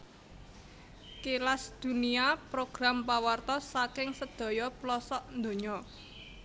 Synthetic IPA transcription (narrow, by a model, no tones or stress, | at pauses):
kelasd̪̥ṳniapɾoɡ̥ɾampawart̪ɔsakɪŋsəd̪̥ɔ̤jɔplɔsɔʔnd̪o̤ɲɔ